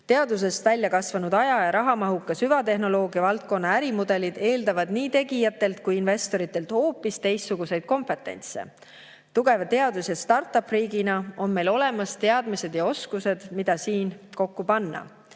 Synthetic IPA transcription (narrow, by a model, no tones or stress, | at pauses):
t̪e̞ɑd̪us̬e̞st̪vælʲːjɑkɑsvɑnud̪ɑjɑjɑɾɑɦɑmɑɦukːˑɑsyvɑt̪e̞ɦno̞lo̞ːɡ̥iɑvɑlt̪̚ko̞nːɑæɾimud̪̥e̞lid̪̥e̞ːld̪ɑvɑd̪niːt̪e̞ɡijɑt̪ːˑe̞lt̪̚kujinve̞st̪o̞ɾit̪ːˑe̞lt̪ho̞ːpːˑist̪e̞jst̪ːuɡuse̞jd̪̥̚ko̞mpe̞t̪ːˑe̞̰nʲt̪sḛ | t̪uɡ̥e̞vɑt̪e̞ɑd̪usjɑst̪ɑrt̪ːˑɑpriːɡinɑo̞nme̞jlo̞le̞mɑst̪e̞ɑd̪mise̞d̪jɑo̞skuse̞d̪̥mid̪̥ɑsiːnko̞kːupɑnːɑ̰